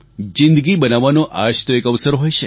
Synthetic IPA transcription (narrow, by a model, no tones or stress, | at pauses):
d͡ʒɪ̃nd̪əɡibənaʋanoʔa̰ʃt̪oekəʋsəɾɦojʃʰe